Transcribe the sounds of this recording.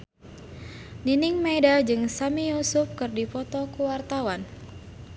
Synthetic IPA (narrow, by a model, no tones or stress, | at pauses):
niniŋmajdad͡ʒɨŋsamijusuf̚kɨrdipɔt̪ɔkuwart̪awan